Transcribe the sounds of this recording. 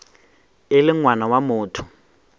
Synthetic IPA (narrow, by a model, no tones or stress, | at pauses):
ɪlɪŋwanawamʊːtʰʊ̥